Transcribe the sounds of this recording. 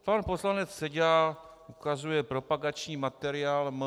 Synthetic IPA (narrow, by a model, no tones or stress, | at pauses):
panpo̞slanɛt͡ssɛɟa | ʔukazujɛpɾo̞paɡat͡ʃɲiːmat̪ɛɾɪaːlm